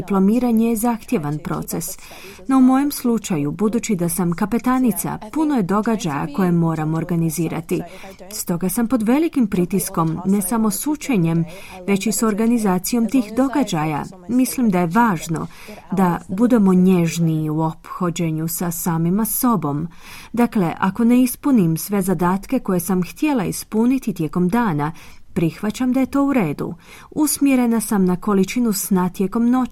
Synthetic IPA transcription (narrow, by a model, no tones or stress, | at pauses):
iplˠo̞miːɾaɲejezaxt̪je̞ʋanpɾo̞̰t̪se̞s | no̞umo̞je̞mslˠut͡ʃajubud̪uːt͡ʃid̪asamkape̞t̪aːnit̪sa̰puno̞je̞d̪o̞ɡad͡ʑaja̰ko̞jemo̞ːɾamoːɾɡaniziːɾa̰t̪i | st̪o̞ɡasampo̞d̪ʋe̞likimpɾit̪isko̞mne̞samo̞sut͡ʃeɲe̞mʋe̞t͡ɕiso̞ɾɡanizaːt̪sijo̞mt̪iːxd̪o̞ɡad͡ʑaja̰ | mislimd̪aje̞ʋaːʒno̞̰ | d̪abud̪e̞mo̞ɲe̞ʒniuo̞pxo̞d͡ʑe̞ɲusasaːmimaso̞bo̞m | d̪akle̞ʔa̰ko̞ne̞ispunimsʋe̞zad̪aːt̪ke̞ko̞je̞samxt̪je̞laḭspunit̪it̪je̞ko̞md̪aːna | pɾixʋat͡ɕamd̪aje̞t̪o̞ːuɾe̞ːd̪ṵ | usmjeɾe̞nasamnako̞lit͡ʃinusnat̪je̞ko̞mno̞